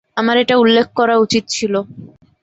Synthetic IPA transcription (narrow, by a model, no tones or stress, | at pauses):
amaɾeʈaulːekʰːkɔɾaut͡ɕit̪̚t͡ɕʰilo